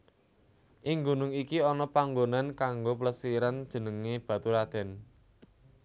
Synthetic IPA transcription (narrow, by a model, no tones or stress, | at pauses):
ʔiɪŋɡunʊŋikiɔnɔpaŋɡonankaŋɡopləsiɾand̥ʒ̥ə̤nəŋeb̥ä̤t̪uɾad̪̥ɛ̤n